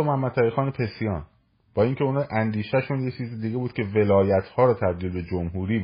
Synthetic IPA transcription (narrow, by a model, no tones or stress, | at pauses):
mohæmːæd̪sæɾixɒːnepʰe̞sijɒːn | b̥ɒːiːŋcʰeunʔænd̪iːʃæʃunjet͡ʃʰiːzid̪iɡebuːd̪̥̚cʲʰeve̞lɒːjæt̪ʰhɒːɾɒt̪ʰæb̚d̪iːlbe̞d͡ʒomɦuːɾiː